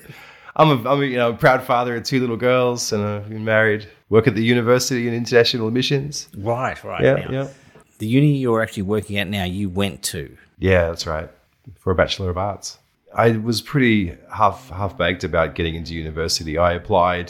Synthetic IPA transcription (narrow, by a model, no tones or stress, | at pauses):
ʔãɪ̃məãɪ̃mɨjɨnoʊ̃məpʰɹ̥aʊd̥fɑðə˞ɨ̃ntʰʉlɪɾl̩ˠɡɜ˞lˠz̥ɨ̃naɪvbɨ̃nmɛɹid̚ | wɜ˞kɨt̪̚ðɨjʉñɨvɜ˞sɨɾiɨ̃nɪ̃ntə˞næʃn̩l̩ˠmɪʃɨ̃nz̥ɹaɪt̚ɹa̰ɪjʔæ̰jɛ | ðɨjʉnɨjə˞æk̚t͡ʃʉl̩ˠiwɜ˞kɪ̃ŋɨtⁿnaʊjɨwɛ̃ntʰʉ̰ | jæðætsɹa̰ɪt̚ | fə˞ɨbæt͡ʃl̩ˠə˞ʌvɑɹts | a̰ɪwʌz̥pʰɹ̥ɪɾihæfhæfb̥æɡ̚dɨbaʊt̚ɡ̥ɛɾɪ̃ŋɪ̃ntʉjʉnɨvɜ˞sɨɾiaɪɨpʰl̥aɪd̥